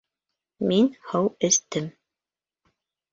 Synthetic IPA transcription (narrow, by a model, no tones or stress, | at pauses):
minhɤwɘ̆st̪ɘm